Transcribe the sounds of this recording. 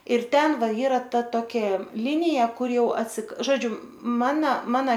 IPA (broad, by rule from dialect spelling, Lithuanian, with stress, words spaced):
ɪr ˈtʲɛn ˈʋɐ ˈiːrɐ ˈtɐ ˈtoːkʲɛ ˈlʲɪnʲɪjɛ ˈkʊr ˈjɛʊ ɐtʲsʲɪk ˈʒoːd͡ʒʲʊ ˈmɑːnɐ ˈmɑːnɐ